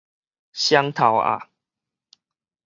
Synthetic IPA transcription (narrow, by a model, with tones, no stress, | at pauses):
ɕja˦ŋt̪ʰa˨wa̰˨